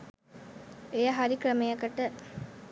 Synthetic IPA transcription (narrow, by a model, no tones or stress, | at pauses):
ejɐɦɐɾikrɐmejɐkːɐʈːə